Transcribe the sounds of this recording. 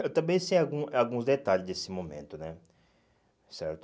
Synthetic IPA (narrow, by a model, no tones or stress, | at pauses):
ewt̪ɐ̃mbẽj̃sejaɡũawɡũzd̪et̪aʎɪzd̪esɪmõmḛ̃nt̪ʊnɛ | sɛɾt̪ʊ̥